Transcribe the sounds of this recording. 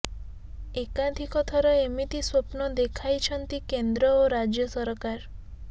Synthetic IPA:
ekad̪ʱikɔt̪ʰɔɾɔemit̪iswopnɔd̪ekʰajt͡ʃʰɔnt̪ikend̪ɾɔoɾad͡ʒjɔsɔɾkaɾ

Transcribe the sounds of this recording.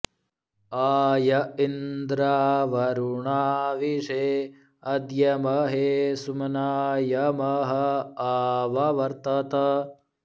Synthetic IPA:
aːjɐind̪ɾaːʋɐɾuɳaːʋiʂeː | ɐd̪jɐmɐɦesumɐnaːjɐmɐɦɐaːʋɐʋɐɾt̪ɐt̪ɐ

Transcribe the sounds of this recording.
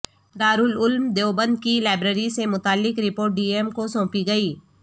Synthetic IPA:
d̪aːɾʊlʊlmd̪eobə̃nd̪̚kilaːɪbɾəɾisemʊt̪aːlːɪkɾɪpoːɾʈ̚ɖiːemkosõːpiɡɐiː

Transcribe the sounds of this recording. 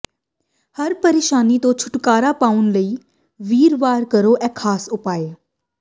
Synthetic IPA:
həɾpəɾeːʃaːnit̪õːt͡ʃʰʊ̥ʈkaːɾapaːʊnləiː | ʋiːɾʋaːɾkəɾoːʔɛ̃ːkʰːaːsʊpaːeː

